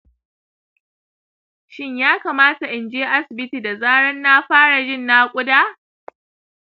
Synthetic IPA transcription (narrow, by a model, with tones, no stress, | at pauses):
ʃɪ˦ɲjaː˦kaː˨maː˦ta˨ʔɪ˨nd͡ʒeː˦ʔa˦sɪ˨bɪ˦ti˨da˨zaː˦ɽɐ˦nːa˦ɸaː˦ɽa˨d͡ʒɪ˦˨nːa˦kʷʼʊ˦daː˦